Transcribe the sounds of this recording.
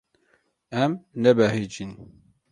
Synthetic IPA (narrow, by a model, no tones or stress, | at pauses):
ɛmnɛbɛɦid͡ʒin